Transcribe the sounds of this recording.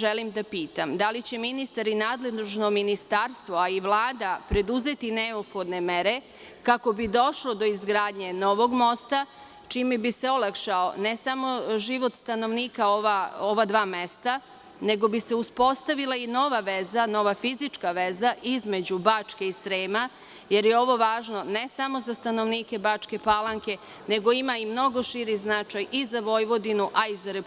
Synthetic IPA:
ʒelimd̪apiːt̪amd̪alit͡ɕe̞minist̪aɾinaːd̪le̞deʒno̞minist̪aːɾst̪ʋo̞aiʋlˠaːd̪apɾe̞d̪uze̞t̪ineopxo̞d̪ne̞me̞ɾe̞ | kako̞bid̪o̞ʃlo̞d̪o̞izɡɾaːd̪ɲe̞noʋo̞ɡmo̞st̪a | t͡ʃiːmɛbise̞olˠakʃao̰nesamo̞ʒiʋo̞t̪st̪ano̞ʋniːkaoʋaoʋad̪ʋaːme̞st̪a | ne̞ɡo̞bise̞uspo̞st̪aʋilˠaino̞ʋaʋezano̞ʋafizit͡ʃkaʋezaʔizme̞d͡ʑubat͡ʃke̞isɾeːma | je̞ɾjeo̞ʋo̞ʋaːʒno̞ne̞samo̞zast̪ano̞ʋniːke̞bat͡ʃke̞palˠaŋke̞ | ne̞ɡo̞imaimno̞ɡo̞ʃiɾiznat͡ʃajizaʋo̞jʋo̞d̪inuʔaizaɾep

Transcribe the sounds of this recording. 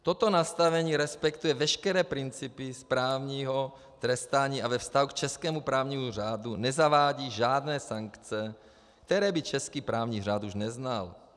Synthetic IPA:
t̪ot̪onast̪avɛɲiːɾɛspɛkt̪ujɛvɛʃkɛɾɛːpɾɪnt͡sipispɾaːvɲiːɦo | t̪ɾɛst̪aːɲiːavɛfst̪aɦukt͡ʃɛskɛːmupɾaːvɲiːmuraːd̪unɛzavaːɟiːʒaːd̪nɛːsaŋkt͡sɛ | k̚t̪ɛɾɛːbit͡ʃɛskiːpɾaːvɲiːr̝aːt̪uʒnɛznal

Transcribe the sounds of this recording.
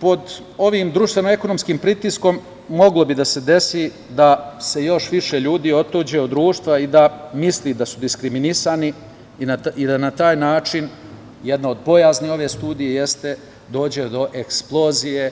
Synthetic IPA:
po̞d̪ | o̞ʋiːmd̪ɾuʃt̪ʋe̞noe̞ko̞no̞mskiːmpɾit̪isko̞mː | o̞ɡlo̞bid̪ase̞d̪e̞si | d̪ase̞jo̞ʃʋiʃeʎuːd̪iːo̞t̪ud͡ʑe̞od̪d̪ɾuːʃt̪ʋaid̪amislid̪asud̪iskɾiminisani | inaid̪anat̪aːjnaːt͡ʃin | jed̪nao̞d̪̚po̞jaːznio̞ʋe̞st̪uːd̪ijeje̞st̪e̞ | d̪o̞ːd͡ʑe̞d̪o̞ʔeksplˠo̞zije

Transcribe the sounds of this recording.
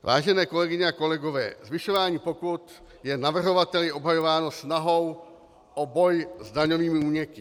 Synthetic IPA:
va̰ːʒɛnɛːko̞lɛɡɪɲɛako̞lɛɡo̞vɛ̰ːzvɪʃovaːɲiːpo̞kut̪ | jɛnavr̩ɦo̞vat̪ɛlɪʔo̞bɦajo̞vaːnosnaɦo̞w | ʔobo̞jzdaɲoviːmɪuːɲɛkɪ

